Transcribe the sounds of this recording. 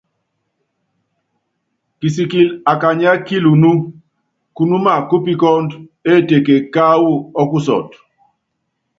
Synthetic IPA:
ki˨s̬i˨ki˨la˨ka˨ɲa˦ki˦lu˨nu˦ | ku˦nu˦ma˦˨ku˦pi˦kɔ˦nde˦˨te˨ke˨ka˦wu˦ɔ˦ku˦sɔ̰˨t

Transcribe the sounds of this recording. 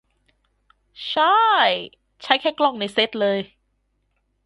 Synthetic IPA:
t͡ɕʰa˥˩j | t͡ɕʰa˦˥jkʰɛː˥˩klɔ˧˥˩ŋna˧˥jse˦˥t̪̚lɤː˧j

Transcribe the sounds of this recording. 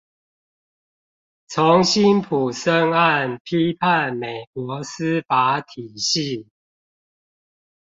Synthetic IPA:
t͡sʰo˨˦ŋɕi˦˥npʰu˨˩sə˦ŋa˥˨npʰi˦pʰa˥˨nme˨˩ɪkwɔ˨˦sɨ˦fa˨˦t̪ʰi˨˩ɕi˥˨

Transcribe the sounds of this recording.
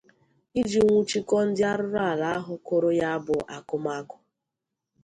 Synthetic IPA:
i˦d͡ʒi˨ŋʷu˦t͡ʃi˦kɔ˦n̩˦dɪ˦a˦ɾʊ˦ɾʊ˦a˨la˨a˦ɦʊ˨ko˦ɾo˦ja˦a˦bʊ˨ʔa˨kʊ˦ma˦kʊ̥˨

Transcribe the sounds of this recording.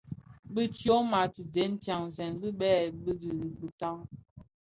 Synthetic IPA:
bɨ˦t͡ʃjo˦ma˨ti˨de˨˦n˦t͡ʃja˨ŋzɛ˨nbɨ˦ɓɛː˦˨bɨ˦di˨bə˨ta˦ŋ

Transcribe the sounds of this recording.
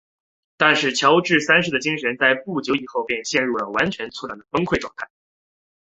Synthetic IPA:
t̪a˥˧nʂɻ̩˥˩t͡ɕʰjɑ˧˥ʊʈ͡ʂɻ̩˥˩sa˥nʂɻ̩˥˩d̪ə˩t͡ɕi˥ŋʂə˧˥nt͡sa˥˧ɪpu˥˩t͡ɕjo˧˥ʊi˨˩xo˥˧ʊpjɛ˥˧nɕjɛ˥˧nɻu˥˩lə˩wa˧˥nt͡ɕʰɥɛ˧˥nt͡sʰu˥la˨˩d̪ə˩fə˥ŋkʰwe˥˧ɪʈ͡ʂwɑ˥˧ŋt̪ʰa˥˩ɪ

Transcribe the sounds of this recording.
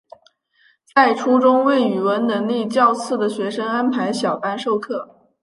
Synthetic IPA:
t͡sa˥˩ɪʈ͡ʂʰu˥ʈ͡ʂʊ˥ŋwe˥˩ɪy˨˩wə˧˥nnə˧˥ŋli˥˧t͡ɕjɑ˥˧ʊt͡sʰɹ̩˥˩d̪ə˩ɕɥɛ˧˥ʂɤ˥ŋa˥npʰa˧˥ɪɕjɑ˨˩ʊpa˥nʂo˥˧ʊkʰɤ˥˩

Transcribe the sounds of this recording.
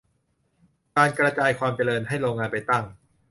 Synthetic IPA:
kaː˧nkɾa˧t͡ɕaː˧jkʰwaː˧mt͡ɕa˧ɾɤː˧nɦa˥˩jɾoː˧ŋːaː˧npa˧jt̪a˥˩ŋ

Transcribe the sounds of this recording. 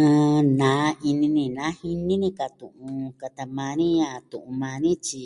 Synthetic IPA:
ɨ̃˧nã˨˦ʔi˧nĩ˧nĩ˧nã˨˦hi˧nĩ˦nĩ˧˦ka˨˧t̪ṵ̃˨ʔũ˧ka˧t̪a˧mã˧nĩ˦ɲã˧t̪ũ˨ʔũ˧mã˧nĩ˦t͡ʃi˧

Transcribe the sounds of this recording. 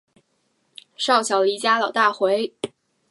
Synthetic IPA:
ʂɑ˥˩ʊɕjɑ˨˩ʊli˧˥t͡ɕja˥lɑ˨˩ʊt̪a˥˩xwe˧˥ɪ

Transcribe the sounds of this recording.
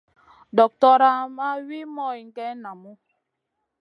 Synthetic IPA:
dɔ˨k̚tɔ˦ɾa˦ma˦wi˦mɔ˦i˨ŋ̩˨ke˦na˨mʊ˦

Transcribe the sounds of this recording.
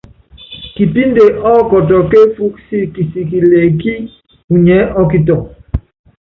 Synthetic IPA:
ki˨pi˦nde˨ʔɔ˦kɔ˨tɔ˨ke˦fu˦ksi˦ki˨si˨ki˨le˨ki˦ | u˨ɲɛ˨˦ʔɔ˦ki˨tɔ˨

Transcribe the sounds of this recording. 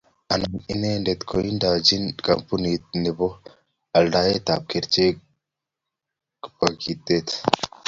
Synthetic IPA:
a˨nani˦ne˦nde˨t̪kʰoi˦nda˨d͡ʒi˦nkampu˦ni˨t̪̚nibo˦ | a˨lda˦je˦t̪a˨p̚keɾt͡ʃe˦ | kba˨ɡit̪et̪

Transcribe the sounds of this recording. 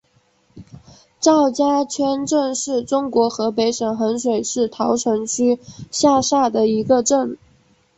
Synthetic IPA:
ʈ͡ʂɑ˥˩ʊt͡ɕja˥t͡ɕʰɥɛ˥nʈ͡ʂə˥˧ŋʂɻ̩˥˩ʈ͡ʂʊ˥ŋkwɔ˧˥xɤ˧˥pe˧˥ɪʂə˨˩ŋxə˧˥nʂwe˨˩ɪʂɻ̩˥˩t̪ʰɑ˧˥ʊʈ͡ʂʰɤ˧˥ŋt͡ɕʰy˥ɕja˥˧ʂa˥˩d̪ə˩i˧˥ɡə˧ʈ͡ʂə˥˩ŋ

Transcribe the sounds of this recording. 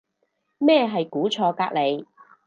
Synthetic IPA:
mɛː˥˧ɦɐ˨jkuː˨˥t͡sʰɔː˧kaː˧˥k̚le˨˧j

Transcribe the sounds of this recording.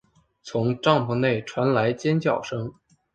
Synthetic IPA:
t͡sʰʊ˧˥ŋʈ͡ʂɑ˥˩ŋpʰu˧˥ne˥˩ɪʈ͡ʂʰwa˧˥nla˧˥ɪt͡ɕjɛ˥nt͡ɕjɑ˨˩ʊʂɤ˥ŋ

